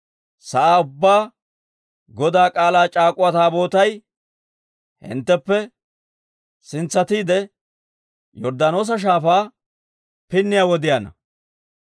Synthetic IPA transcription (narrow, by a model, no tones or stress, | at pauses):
sɐʔaːʊbːaː | ɡɔd̪aːkʼaːlaːt͡ʃʼaːkʼʊwɐt̪aːbo̞ːt̪ɐj | hɪ̰nt̪ːɛpːɛ | sɪnt͡sːɐt̪iːd̪ɛ | jɔɾd̪ɐno̞ːs̬ɐʃ̬aːfaː | pɪnːɪjawɔd̪ɪjanɐ̰